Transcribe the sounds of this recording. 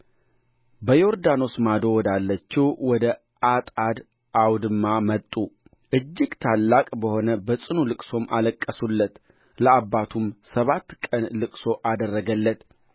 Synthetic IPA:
bəjo̞ɾd̪ano̞smad̪o̞wɔd̪alːət͡ʃːɛwwɔd̪ə | ʔat̪ʼad̪ | ʔawd̪ɨmːamət̪ʼːu | ʔɨd͡ʒːɪɡt̪ʰalːakʼbəho̞nəbəsʼɨnulɨkʼso̞mʔa̰ləkʼːəsulːət̪ | ləabːat̪ʰumsəβat̪ːkʼənlɨkʼso̞ʔad̪ərːəɡəlːət̪

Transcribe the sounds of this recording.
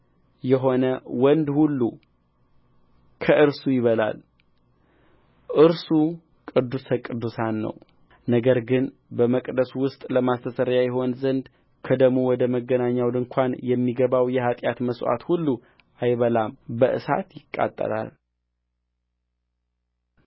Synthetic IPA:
jɛɦo̞nəwɔnd̪hulːu | kʰəʔɨɾsujɪβəla̰l | ʔɨɾsu | kʼɨd̪ːusəkʼɨd̪ːusanːə̰w | nəɡəɾɡɨn | bəməkʼd̪əswʊst̪ʼləmast̪ʰəsəɾjajɛɦo̞nzənd̪ | kʰəd̪əɡmowɔd̪əməɡːənaɲːawd̪ɨŋkʰʷanjɛmːiɡəβawjɛhat̪ʼjat̪məswʷa̰t̪hulːu | ʔajβəlambəʔɨ̰sa̰t̪jɪkʼːa̰t̪ʼːə̰ɾa̰l

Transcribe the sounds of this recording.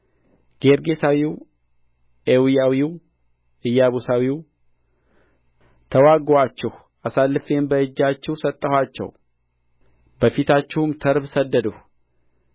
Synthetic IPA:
ɡ̥e̞ɾɡe̞sawiw | ʔewijawiw | ɨjːaβusawiw | t̪ʰəwaɡat͡ʃːɛh | ʔasalːɨfembəɨd͡ʒːat͡ʃːɛhsət̪ʼːəhʷwat͡ʃːɛ̰w | bəfit̪ʰat͡ʃːɪhʊmt̪ʰəɾbsəd̪ːəd̪uh

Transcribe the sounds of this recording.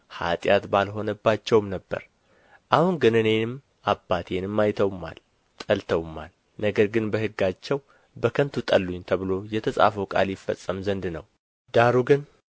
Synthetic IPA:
ha̰t̪ʼjat̪balɦo̞nəbːat͡ʃːɛwmnəbːə̰ɾ | ʔahunɡɨnɨne̞nɨm | abːat̪ʰenɨmːajt̪ʰəwmːa̰l | t̪ʼəlt̪ʰəwmːa̰l | nəɡəɾɡɨnbəhɨɡːat͡ʃːɛw | bəkʰənt̪ʰut̪ʼəlːuɲːt̪ʰəβɨlo̞jɛt̪ʰəsʼa̰fəwkʼa̰ljɪfːə̰sʼːəmzənd̪nəw | d̪̥aɾuɡɨn

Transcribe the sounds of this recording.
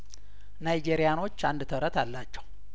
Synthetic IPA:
najd͡ʒeɾijano̞t͡ʃːand̪ɨt̪ʰəɾət̪ʰalːat͡ʃːɛw

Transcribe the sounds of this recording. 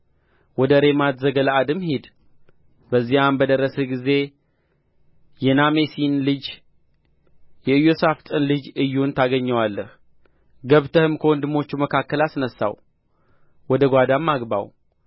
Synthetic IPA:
wɔd̪əɾe̞mat̪zəɡələad̪ɨmhid̪ | bəzːijambəd̪əɾːəsəɡize̞ | jɛnamesinlɨd͡ʒ | jɛɨjosaft̪ʼɨnlɨd͡ʒɨjːunt̪ʰaɡəɲːəwalːəh | ɡəβt̪ʰəhɨmkʰəwɔnd̪ɨmo̞t͡ʃːuməkʰakːəlasnəsːa̰w | wɔd̪əɡʷad̪amːaɡba̰w

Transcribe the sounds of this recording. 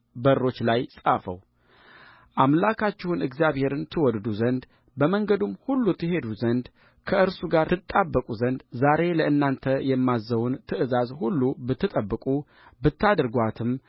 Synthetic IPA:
bərːo̞t͡ʃːlajsʼafə̰w | ʔamlakʰat͡ʃːɛhunɨɡzjaβhe̞ɾɨnt̪ʰɨwɔd̪d̪uzənd̪ | bəməŋɡəd̪umhulːut̪ʰɨɦe̞d̪uzənd̪ | kʰəʔɨɾsuɡaɾt̪ʰɨt̪ʼːabːəkʼuzənd̪zaɾe̞ləʔɨnːant̪ʰəjɛmːazːəwunt̪ʰɨʔɨzazhulːubɨt̪ʰːɨt̪ʼəbːɨkʼu | bɨt̪ːad̪ɨɾɡʷat̪ʰɨm

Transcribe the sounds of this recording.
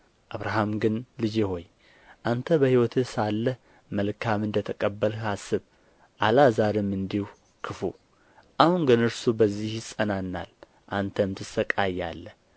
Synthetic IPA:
ʔaβɾaɦamɡɨnlɨd͡ʒeho̞j | ʔant̪ʰəbəhiwɔt̪ʰɨsalːəh | məlkʰamɨnd̪ət̪ʰəkʼəbːəlasːɨβ | ʔalazaɾɨmɨnd̪ihu | kʰɨfu | ʔahunɡɨnɨɾsubəzːihjɪsʼənanːa̰l | ʔant̪ʰəmt̪ʰɨsəkʼajːa̰lːəh

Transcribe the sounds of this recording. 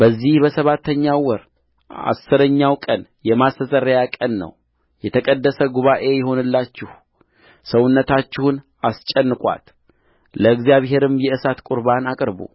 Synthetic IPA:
b̥əzːihbəsəβat̪ʰːəɲːawɔɾ | a̰sːɨɾəɲːawkʼənjɛmast̪ʰəsʼəɾəjakʼənːə̰w | jɛt̪ʰəkʼəd̪ːəsəɡuβaʔe̞jɛɦo̞nɨlːat͡ʃːɪh | səwʊnːət̪ʰat͡ʃːɪhʊn | ast͡ʃʼːənːɨkʼwa̰t̪ | ləɨɡzijaβɦe̞ɾɨmjɛɨsat̪kʼuɾbanakʼɨɾbṵ

